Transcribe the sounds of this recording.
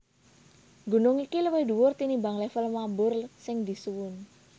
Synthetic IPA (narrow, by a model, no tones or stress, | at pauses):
ŋɡṳnʊŋikiləwed̪uwʊrt̪inimbaŋlɛfəlmambʊrsɪŋd̪i̤suwʊn